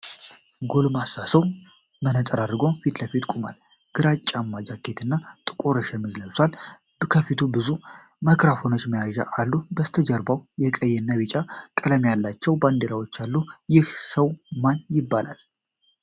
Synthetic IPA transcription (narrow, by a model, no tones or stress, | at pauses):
ɡo̞lmasasəw | mənət̪ʼəɾad̪ɾɨɡo̞fit̪ləfit̪kʼuma̰l | ɡ̥ɨɾat͡ʃʼːamːad͡ʒakʰːet̪ʰɨnːat̪ʼɨkʼoɾəʃɛmɨzləβswal | bkʰəfit̪ʰubɨzu | makʰɾafo̞not͡ʃːməjaʒa̰ʔalːubəst̪ʰəd͡ʒəɾbawjɛkʼəjɛnːaβit͡ʃʼakʼələmjalːat͡ʃːɛwband̪eɾawot͡ʃːalːujɪhsəwmanjɪbːala̰l